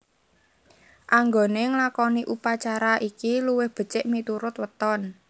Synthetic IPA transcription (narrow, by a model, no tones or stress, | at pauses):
ʔaŋɡoneŋlakɔniʔupat͡ʃaɾaʔikiluwɪhb̥ə̤t͡ʃɪʔmit̪uɾʊt̪wət̪ɔn